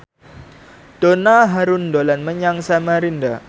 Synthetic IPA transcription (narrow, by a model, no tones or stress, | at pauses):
d̥onaɦaɾʊndolanməɲaŋsamaɾinda